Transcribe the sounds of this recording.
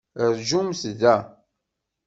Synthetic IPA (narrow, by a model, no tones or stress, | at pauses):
əɾʒumsðæ